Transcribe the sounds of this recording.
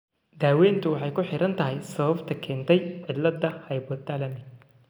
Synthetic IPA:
d̪aːwɛːnt̪ʰʊwɑħɑjkʰʊħɪɾʔɐnt̪ʰɐɦɛjsɐβɐbt̪ʰɐkʰɛːnt̪ʰɛjʕɪd̪lɐd̪ɐhɐjbɔd̪alɐmɪ

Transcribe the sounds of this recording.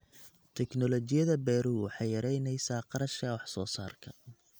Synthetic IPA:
t̪ʰɛknɔlɔt͡ʃɪjɐðɐbɛːɾuːwɑħɑjjɐɾɛjnɛjsaːqɑɾɐʃkʰɐwɑħsɔːsa̰ːrkʰɐ

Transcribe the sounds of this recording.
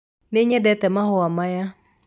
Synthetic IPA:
neɲɛdɛt̪ɛmahɔamaja

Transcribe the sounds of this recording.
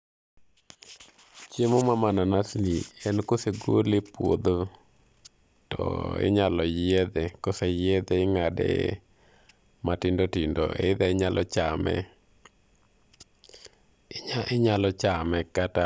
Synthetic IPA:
t͡ʃjemomamananasniɛnkoseɡolepwo̰d̪o | tɔ̰ɪ̰ɲalɔjed̪ɛkosejed̪eɪŋadḛ | matɪndotindo̰ḛd̪ɛɲalɔ̰t͡ʃamɛ̰ | ɪɲalɔt͡ʃamɛkata

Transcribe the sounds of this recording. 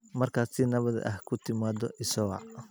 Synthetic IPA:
mɐrkʰaːsinɐβɐð̰ʔɐ̰hkʰʊt̪ʰɪmaːd̪ɔʔɪsɐɣɑ̰

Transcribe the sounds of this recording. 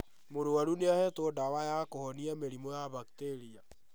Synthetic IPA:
moɾoaɾuneahɛtodawajakohɔniameɾimojaβakteɾia

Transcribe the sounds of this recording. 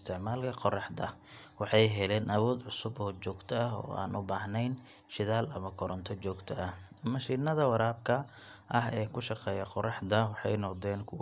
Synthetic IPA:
st̪ʰɛʕmaːlkʰɐqɔrɑħd̪ɐwɑħɑjɦɛlɛːnʔɐwɔːd̪ʕʊsʊbɔːt͡ʃɔːɡt̪ʰɐɐɦɔ̰ːa̰ːnʊbaːɦnɛjn | ʃɪðaːlɐmɐkʰɔɾɔnt̪ʰɔt͡ʃɔːɡt̪ʰɐʔɐhɐmɐʃiːnɐðɐwɑɾaːb̚kʰɐ | ʔɐɦɛːkʰʊʃɑqɛːjɐqɔrɑħd̪ɐwɑħɑjnɔqd̪ɛːnkʰʊw

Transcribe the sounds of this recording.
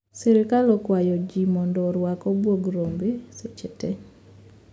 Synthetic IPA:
sɛɾɪkalɔkwajɔd͡ʒimɔndɔɾwakɔbwoɡɾombeset͡ʃɛtɛ

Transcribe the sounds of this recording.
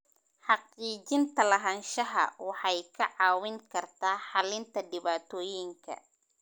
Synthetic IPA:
ħɑqiːt͡ʃɪnt̪ʰɐlɐɦɐnʃɐɦɐ̰wɑħɑjkʰɐʕɑːwɪŋkʰɐrt̪ʰaːħɑlɪnt̪ʰɐɖɪβaːt̪ʰɔːjɪŋkʰɐ̰

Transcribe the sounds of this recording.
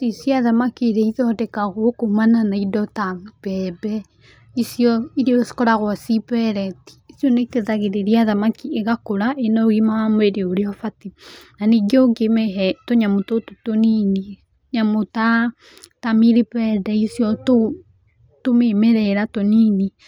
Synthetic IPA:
sesiaðamakeɾeiðɔdɛkaɣokomananaidɔtab̥ɛbɛ | isjɔiɾeɔskɔɾaɣwasipɛɾɛti̥isjɔnekeðaɣeɾeɾiaðamakieɣakoɾaʔenɔɣimaamoeɾeoɾeɔfatinaniɡeoɡemɛɦɛtoɲamotototonini | ɲamota | tamiɾepɛdɛisjɔto | tomemɛɾɛɾatonini

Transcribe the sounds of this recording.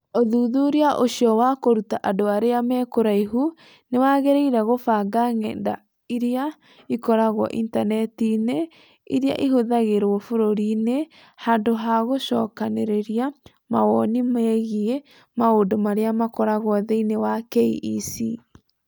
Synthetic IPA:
oðuðuɾeaʔoɕjɔwakoɾutaʔadoaɾeamɛːkoɾaiɦu | newaɣeɾeiɾaɣofaɡaŋɛnda | iɾea | ikɔɾaɣwɔ̰ʔḭntanɛtine | ḭɾea̰ʔiɦoðaɣeɾwɔfoɾoɾine | handoɦaɣoʃɔ̰ːkaneɾeɾia | mawɔnimɛɣie | maondomaɾeamakɔɾaɣwɔðeinewakeiʔisi

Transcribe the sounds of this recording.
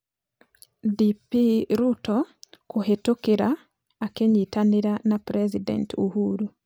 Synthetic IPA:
dipiɾutɔkoɦetokeɾa | akeɲitaneɾanapɾɛzidɛ̰ntuhuɾu

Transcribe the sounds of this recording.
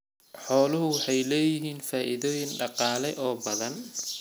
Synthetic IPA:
ħɔːlʊɦʊwɑħɑjlɛːjɪɦiːnfaːʔɪðɔːjɪnɖɑqɑːlɛʔɔːbɐðɐn

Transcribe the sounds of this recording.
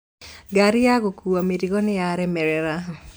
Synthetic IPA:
ɡaɾɪaɣokuameɾiɣɔnɪjaɾɛmɛɾɛɾa

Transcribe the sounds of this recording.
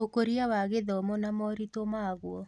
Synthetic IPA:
okoɾiawaɣeðɔmɔnamɔɾitomaɣwɔ

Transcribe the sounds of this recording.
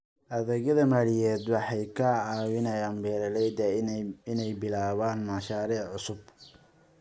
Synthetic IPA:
ʔɐðɛɣɐðɐmaːlɪjɛːd̪wɑħɑjkʰɐaːwɪnɐjaːnbɛːɾɐlɛjd̪ɐɪnɛjbɪlaːβaːnmɑʃaːɾiːʕʕʊsʊb̚

